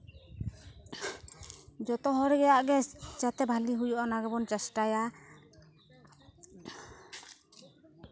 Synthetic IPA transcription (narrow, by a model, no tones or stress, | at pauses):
d͡ʒɔt̪ɔɦɔɾɛɡɛjaʔɡɛt͡ʃat̪ɛbʱaliɦujɔʔanaɡɛbɔnt͡ʃɛsʈaja